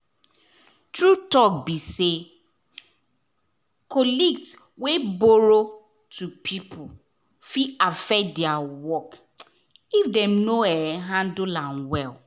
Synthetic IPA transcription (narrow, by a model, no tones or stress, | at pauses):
tɹutɔk̚bise | kɔliɡs | weboɾo | tʰupʰipʰʊ | fiafɛdɛawɔk | ifdɛ̃mnoɛɦãndulãnwɛl